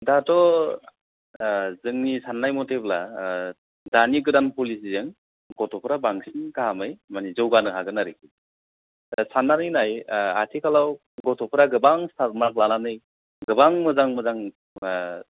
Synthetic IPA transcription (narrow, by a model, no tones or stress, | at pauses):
datɔ | zɯŋnisanːajmɔtʰebla | daniɡɯdanpulisizɯŋ | ɡɔtʰɔpʰɯɾabaŋsinkaɦamɯjmanizɯwɡanɯɦaɡɯnaɾikʰi | sanːanɯjnajatʰikʰalaw | ɡɔtʰɔpʰɯɾaɡɯbaŋstʰat̚maklananɯj | ɡɯbaŋmɯzaŋmɯzaŋ